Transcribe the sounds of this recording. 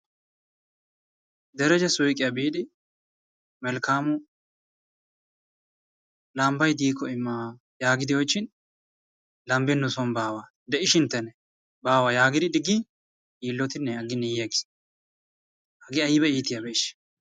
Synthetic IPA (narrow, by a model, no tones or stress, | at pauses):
d̪ɛɾɛd͡ʒɛsʊjkʼːɪjɐbiːd̪ɪ | mɛlkaːmʊ | lɐmbɐjd̪iːkɔɪmːa | jaːɡɪd̪ɪwɔjt͡ʃːɪn | lɐmbɪnːʊsɔnbaːwa | d̪ɛɪʃɪnt̪ːɛnɛ | baːwɐjaːɡɪd̪ɪd̪ɪɡːɪ | iːlːɔt̪ɪnːɛɐɡɪnːɛjeɡɪ̥s | ɐɡɪɐjɪbɛiːt̪ɪjɐbɛɪʃ